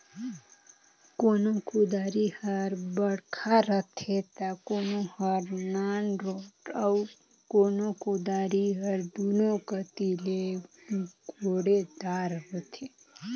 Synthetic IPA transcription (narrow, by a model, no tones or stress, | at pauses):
konõkud̪aɾihəɾbəɽkʰaɾət̪ʰet̪akonõhəɾnanɾoʈəw | konokud̪aɾiɦəɾd̪ʱunokət̪ile | ɡʱoɽed̪aɾɦət̪ʰe